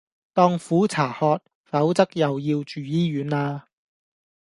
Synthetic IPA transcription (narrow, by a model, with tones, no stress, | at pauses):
t̪ɔː˥ŋfuː˨˥t͡sʰaː˨˩hɔː˧t̚ | fɐ˨˥wt͡sɐ˥k̚jɐ˨wjiː˧wt͡ʃyː˨jiː˥jyː˨˥naː˧